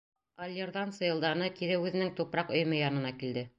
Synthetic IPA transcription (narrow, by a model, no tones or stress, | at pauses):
ɐlʲːerðɑnsɤ̆jɤ̆lˠd̪ɑnɤkiɾɘʉðɘ̆nɘŋt̪upɾɑqɵ̆jɘ̆mɘjɑnɤ̆nɑkild̪ɘ